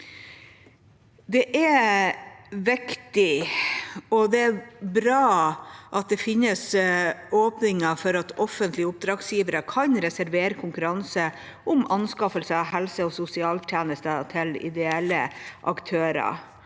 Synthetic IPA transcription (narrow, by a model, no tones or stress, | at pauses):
d̪ɛʔæ | ʋɪkt̪ɪ | ɔd̪ɛæɾbɾɑːʔɑt̪̚d̪ɛfɪnːəs | oːpnɪŋəfɔɾɑt̪ɔfənt̪ʰlɪəʊp̚d̪ɾɑːɡsjiːʋəɾəkʰɑnɾɛsæɾʋeːɾəkʰʊŋkʉɾɑnsə | ʔʊmʔɑnskɑfəlsəɦɛlsəɔsʊsɪɑːlt̪ʰjæːnəst̪ət̪ʰɪlɪ̰d̪ɛɛləʔɑ̰kt̪ʰøːɾɑ̰